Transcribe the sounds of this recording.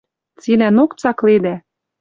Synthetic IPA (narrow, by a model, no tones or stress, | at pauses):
t͡silænokt͡sɑkled̪æ